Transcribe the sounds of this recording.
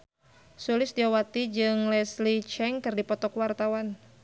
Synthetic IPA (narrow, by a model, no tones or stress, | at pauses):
sulɪsdiawat̪id͡ʒɨŋlɛslit͡ʃɛŋkɨrdipɔt̪ɔkwart̪awan